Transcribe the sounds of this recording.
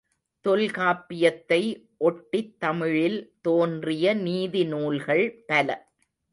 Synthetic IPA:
t̪ɔlkaːpːɪjɐt̪ːɐɪ | ʔɔʈːɪt̪ːɐmɪɻɪlt̪oːndrɪjɐniːðɪnuːlɣɐɭpɐlɐ

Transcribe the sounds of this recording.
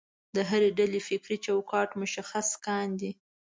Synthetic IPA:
d̪əɦaɾeɖalefɪkɾit͡ʃawkɑʈmʊʃaxaskɑnd̪i

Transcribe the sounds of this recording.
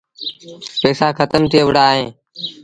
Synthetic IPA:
peːsaːkʰət̪əmt̪ʰiːəʋɽaːɦẽː

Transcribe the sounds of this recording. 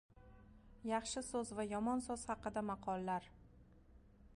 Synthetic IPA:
jɑχʃɪsɵzvajɒmɒnsoz̥hɑqɨd̪amɑqʰɒlˠːaɾ

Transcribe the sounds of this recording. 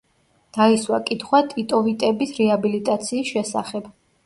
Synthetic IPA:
d̪̥aiswakʼit̪ʰχwat̪ʼit̪ʼɔvit̪ʼɛbisɾɛabilit̪ʼat̪sʰiːsʃɛsa̰χɛb

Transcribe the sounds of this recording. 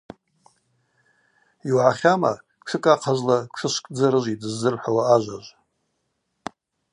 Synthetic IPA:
iwʕaχʲama̰ | kʷʰɨkʼaqʰazlakʷʂʰɨʃʷkʼd͡zaɾɨʒʷidɨzːɨrħʷawaːʒʷaʒʷ

